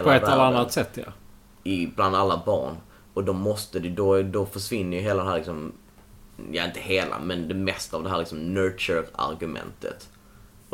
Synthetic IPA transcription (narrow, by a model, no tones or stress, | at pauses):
lɔɛt̪ːɛlanːat̪sɛt̪ʰːjɑ̰ | ɪbland̪alːabɑ̰ːɳ | ɔd̪ɔmːɔst̪əd̪ɪd̪ɔd̪ɔfœʂvɪnːəjɵɦeːlad̪ɛhɦæːɾlɪksɔm | jɑ̰ɪnt̪əheːla̰mɛnd̪ɛmɛst̪aːvd̪ɛhæːɾlɪksɔmnœːt͡ʃʉɾa̰ɾɡɵmɛ̰nt̪ʰə̰t̪